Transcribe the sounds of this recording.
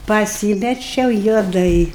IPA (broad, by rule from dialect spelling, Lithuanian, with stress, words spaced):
pɐˈsʲiːmʲɛt͡ʃʲɛʊ juɔˈdɐɪ